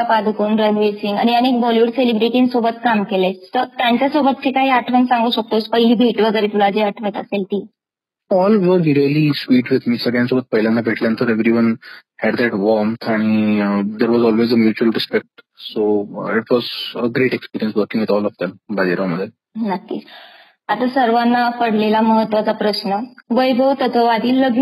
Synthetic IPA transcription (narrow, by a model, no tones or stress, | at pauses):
apad̪ʱkuːnɾənʋesiŋɡa̰ñijaniekbɔljuːɽselibɾiʈĩŋsobət̪kamkelet̪əɾt̪jãɲt͡ɕjasobət̪̚t͡ɕikaɦiːaʈʰʋənsãŋɡuːɕək̚t̪ospəɦiliːbʱiʈʋəɡəɾet̪ulad͡ʑeaʈʰʋə̃t̪aselt̪iː | ɔlʋəɾʋiɾiəlisʋiːʈʋɪd̪miːsəɡɭjãnsobət̪̚pəɦiljãnːabʱeʈleənt̪əɾeʋɾiʋənhɛɖd̪æʈʋɔɾmt̪ʰaɽ̃id̪eɾʋɔzɔlʋezəmjuːt͡ɕuəlɾispek̚ʈsoiʈʋɔzəɡɾeʈekspiɾiə̃nsʋəɾkĩŋʋid̪ɔlɔfd̪ɛ̃mbad̪iɾaməd̪ʱje | nat̪ːḭːs | at̪asəɾʋanːapəɽ̤lelaməɦət̪ʋat͡sapɾəsnəʋəjbʱəwt̪ət̪ʰəʋad̪iːlːəɡu